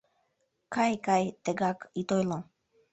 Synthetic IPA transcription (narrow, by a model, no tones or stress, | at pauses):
kajkajt̪eɡakit̪ojlo